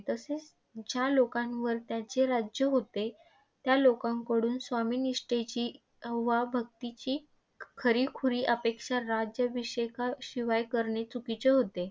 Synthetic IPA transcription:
t̪əset͡s | d͡ʑjalokãŋʋəɾt̪jat͡ɕeɾad͡ʑjəɦot̪e | t̪jalokãŋkəɽuːnsʋamiːniʂʈet͡ɕiː | ʋabʱəɡ̚t̪it͡ɕiː | kʰəɾiːkʰuɾiːʔəpekʂaɾad͡ʑjəʋiɕekaɕiʋajkəɾɳet͡sukit͡ɕeɦot̪e

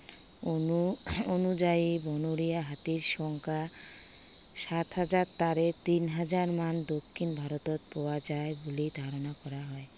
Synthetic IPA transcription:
ouonud͡ʑaibɔnoɾijaɦat̪iɾʃɔŋkʰa | ʃat̪ɦad͡ʑaɾt̪aɾet̪inɦad͡ʑaɾmand̪okʰːinbʱaɾot̪ot̪̚pɔwad͡ʑaebolid̪ʱaɾonakɔɾaɦɔe

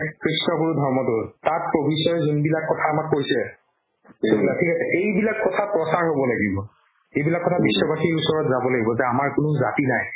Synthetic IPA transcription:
kʰɹisnɔkuɹudʱɔɹmɔtʊɹtat̚pɹobʱisɔɹzunbilakːɔtʰaːmakːojsɛ | soblatʰikasɛʔejbilakːɔtʰapɹɔsaɹɦobɔlaɡibɔ | ejbilakːɔtʰabisːɔbaxiɹusɔɹɔtzabɔlaɡibɔzɛamaɹkʊnʊzatinaj

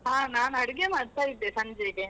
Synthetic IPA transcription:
ɦaːnaːnɐɽiɡemaːɽt̪aːjid̪ːeːsɐɲd͡ʒeːɡe

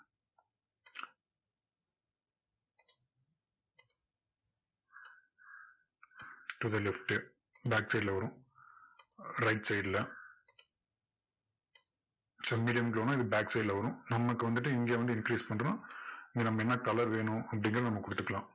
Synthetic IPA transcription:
ʈuðɐlɛfʈː | baːksɐɪɖlɐʋɐɾʊ̃ | ɾɐɪʈsɐɪɖɪlɐ | sɐmːiːɽɪjɐmɡɐloːnũːɪðɯbaːksɐɪɖlɐʋɐɾʊ̃nɐmːɐkːɯʋɐnd̪ɯʈːɯɪŋɡeːʋɐnd̪ɯɪnkɾiːspɐɳɾɐnãːɪŋɡeːnɐmːɐɛnːɐkɐlɐɾʋeːɳʊ̃ɐpːɽɪŋɡɪɾɐnɐmːɐkʊɽɯt̪ːɯkːɐɭãː

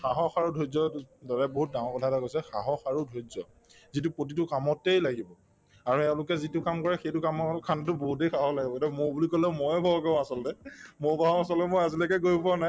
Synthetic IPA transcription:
xaɦɔxaɹudʱozɔdɔɹɛboɦut̚dãŋɔkɔtʰataɡojsɛxa̰ɦɔxaɹudʱozɔ | zitupɹot̬itʊkamɔtejlaɡibɔ | aɹuɛʊ̃lʊkɛzitʊkamkɔɹɛxejtʊkamɔkʰantʊboɦutejxaɦɔlaɡibɔtɛmʊbulikolɛmɔjɛbʱaɦɔkãasɔltɛmobaɦɔ̃asɔltɛmojazilakɛɡojpɔnaj

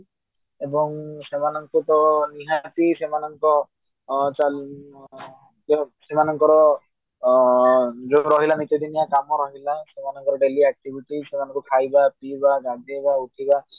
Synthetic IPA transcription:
ebɔŋsemanɔŋkɔt̪ɔniɦat̪isemanɔŋkɔ | t͡ʃal | ɔsemanɔŋkɔɾɔ | d͡ʒoɾɔɦilanitɔdinijakamɔɾɔɦilasemanɔŋkɔɾɔɖeliɛk̚ʈibʱiʈisemanɔ̃ŋkɔkʰajbapibaɡaɡebauʈʰiba

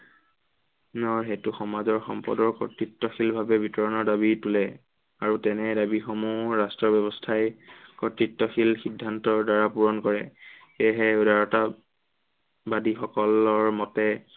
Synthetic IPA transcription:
nɔɹɦɛtuxɔmazɔɹxɔ̰mpɔ̰dɔɹkɔ̰tɹitːɔxilbʱabɛbʱitɔɹɔnɔɹdabitulɛ | aɹutɛnɛdabixɔmuɹastɹɔbɔbɔstʰajkɔtɹitːɔxilxidʱːantɔɹdaɹapuɹɔnkɔɹɛxeɦɛdaɹɔta | badixɔkɔlɔɹmɔtɛ

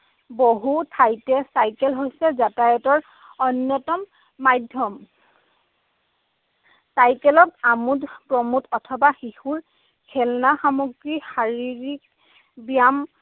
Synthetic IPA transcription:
boɦutʰajtɛsajkɛlɦojsɛzatajɔtɔɹ | ɔnjɔtɔmː | ajdʱjɔm | sajkɛlɔt̚amudpɹɔmutʰɔtʰɔbaxihuɹ | kʰɛlnaxamoɡɹixaɹiɹik | bijam

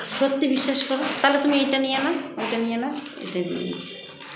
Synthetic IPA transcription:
ʃot̪ːibiʃːaʃkɔɾot̪alet̪umiejʈanijenaejʈanijena | ḛjʈad̪ḭḛnḭtʰi̥

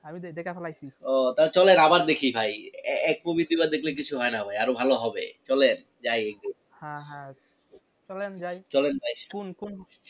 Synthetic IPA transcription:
amid̪ekapɛlajt͡ɕʰiɔt̪alt͡ɕɔlenabaɾd̪ekʰibʱajɛɛk̚pobid̪ibad̪ekʰlek̬it͡ɕʰuɦɔenabʱajaɾobʱaloɦɔbḛt͡ɕɔlen | d͡ʑajek̚d̪i | hãɦã | t͡ʃɔlend͡ʒajt͡ɕɔlenbajkunkun

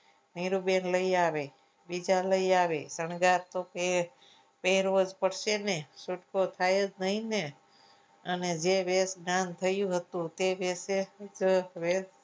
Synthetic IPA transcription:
niɾubenləiaʋe | bid͡ʒaləiaʋesəɳɡaɾt̪op | peɦɾod͡ʒpəɽʃeneʃuʈkot̪ʰajəd͡ʒnəɦĩne | əned͡ʒeʋesɡnant̪ʰəjũɦət̪ũt̪eʋesed͡ʒʋes

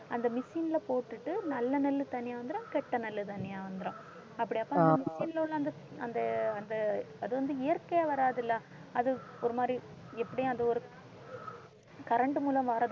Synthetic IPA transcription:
ɐnd̪ɐmɪsiːnɪlɐpoːʈːɯʈːɯnɐlːɐnɐlːɯt̪ɐnːɪjaːʋɐnd̪ɪɾõːkɛʈːɐnɐlːɯt̪ɐnːɪjaːʋɐnd̪ɯɾõː | ɐpːɐɽɪaːpːõɐndɐmɪsinloːɭlːɐ̃ɐnd̪ɐ | ɐnd̪ɐɐnd̪ɐɐðɯʋɐnd̪ɯɪjɐɾkɐjaʋɐɾaːðɪlːɐ | ɐðɯɔɾɯmaːd̪ɾi | ɛpːɐɽɪjʊ̃ɐnd̪ɐɔɾɯ | kɐɾɐɳɖɯmuːlɐmʋaːɾɐð

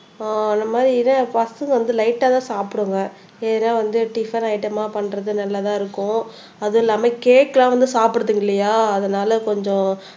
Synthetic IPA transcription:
aːɐnd̪ɐmaːdɾinɐpɐsɯŋɡɐʋɐnd̪ɯlɐɪʈːaːt̪ãːsaːpɯɽɯŋɡɐ | eːnaːʋɐnd̪ɯʈifɐnɐɪʈɐmaːpɐɳːɾɐðɯnɐlːɐt̪ãːɪɾɯkːʊ̃ | ɐðɯɪlːaːmɐkeːʈkːɐlãːʋɐnd̪ɯsaːpɪɽɐðɯŋɡɪlːɐjaːɐðɐnaːlɐkɔɲd͡ʒɔ̃

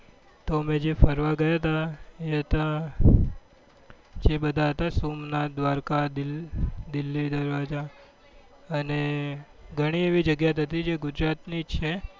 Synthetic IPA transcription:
t̪oəmẽd͡ʒefəɾʋaɡəjat̪aeɦət̪a | d͡ʒebəd̪ʱaɦət̪asumnad̪ʋaɾkad̪ild̪ɪlːid̪əɾʋad͡ʒa | əne | ɡʱəɽ̃ieʋid͡ʒəɡjat̪ʰət̪id͡ʒeɡʊd͡ʒɾat̪nid͡ʒt͡ʃʰe

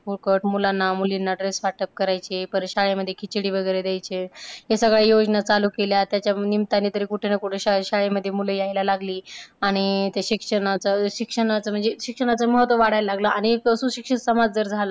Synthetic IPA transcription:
puɾkəʈmulanːamulinːaɖɾesfaʈəp̚kəɾajt͡ɕepəɾɕaɭeməd̪ʱːjekʰit͡ɕɽiːʋəɡəjɾed̪jajt͡ɕeɦesəɡɭejod͡znat͡saluːkeljat̪jat͡ɕjanimt̪anːit̪əɾiːkuʈʰenakuʈʰeɕaɕaɭeməd̪ʱːjemuləjajlalaɡliːaɽ̃it̪jaɕikʂəɽat͡saɕikʂəɽ̃at͡səm̤əɳd͡zeɕikʂəɽ̃at͡səməɦət̪ʋəʋaɽ̤ajlaɡləʔaɽ̃ikəsuːɕikʂətsəmad͡zd͡zəɾd͡zʱalə

